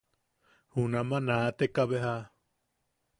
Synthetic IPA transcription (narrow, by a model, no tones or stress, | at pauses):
hunãmãnat̪ekaβeɦa